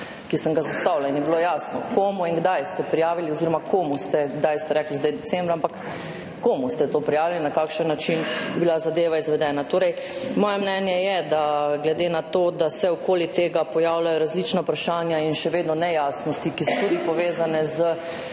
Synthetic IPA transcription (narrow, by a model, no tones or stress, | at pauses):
kisəŋɡazast̪awlainjɛbilojasnɔkoːmuinɡd̪ajst̪ɛpɾijaːʋiliɔziːɾɔmakoːmust̪ɛɡd̪ajst̪ɛɾɛklizd̪ɛjd̪ɛtt͡s̪ɛmbɾaampakː | oːmust̪ɛt̪oːpɾijaːʋilinakaːkʃənːat͡ʃinbibilazad̪eːʋaizʋɛd̪ɛːnat̪oːɾɛj | mɔːjɛmnɛnjɛjɛd̪aɡlɛd̪eːnat̪oːd̪asɛɔkoːlit̪eːɡapɔjaːwlajɔɾazlit͡ʃnaupɾaʃaːnjainʃɛʋeːd̪nɔnɛjaːsnɔst̪ikisɔt̪ud̪ipɔʋeːzanɛzə